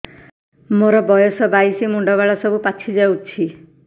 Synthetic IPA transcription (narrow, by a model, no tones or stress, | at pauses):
moɾɔbɔjɔsɔbajsimuɳɖɔβaɭɔsɔbupat͡ʃʰid͡ʒawt͡ʃʰi